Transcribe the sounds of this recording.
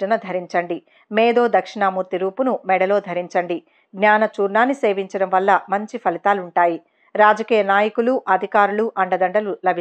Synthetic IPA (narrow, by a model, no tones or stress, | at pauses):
ɐnɐd̪ʱɐɾiɲt͡ʃɐɳɖi | meːd̪o̞ːd̪ɐkʂiɳamuːɾt̪iɾuːpunumɛɽɐlo̞ːd̪ʱɐɾiɲt͡ʃɐɳɖi | ɡnaːnɐt͡ʃuːɾnaːnːiseːʋiɲt͡ʃɐɽɐmʋɐlːɐmɐɲt͡ʃipʰɐlit̪aːluɳʈaːji | ɾaːd͡ʒɐkiːjɐnaːjɐkuluʔɐd̪ʱikaːɾuluʔɐɳɖɐd̪ɐɳɖɐlulɐbʱi